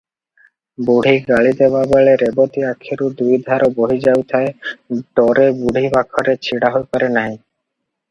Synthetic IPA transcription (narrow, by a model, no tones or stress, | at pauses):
buɽ̤ʱiɡaɭit̪ebabaɭeɾebot̪iakʰːeɾud̪ujd̪ʱaɾoboɦid͡ʑawt̪ʰaeɖɔɾebuɽ̤ʱibakʰɔɾet͡ɕʰiɽaɦojpaɾenaɦĩ